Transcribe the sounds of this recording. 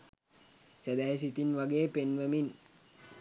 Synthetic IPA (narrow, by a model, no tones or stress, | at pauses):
səd̪æɦes̬it̪inʋaɡeːpenʋəmin